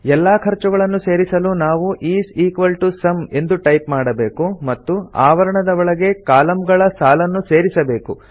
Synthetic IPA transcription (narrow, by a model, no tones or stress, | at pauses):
ɛlːaːkʰɐɾt͡ʃuɡɐɭɐnːuse̞ːɾisɐluːnaːʋuʔiːsiːkʋɐlʈusɐme̞nd̪uʈɐjpmaːɽɐbe̞ːkumɐt̪ːua̰ːʋɐɾɐɳɐd̪ɐʋɔɭɐɡe̞kaːlɐmɡɐɭɐsaːlɐnːuse̞ːɾisɐbe̞ːkṵ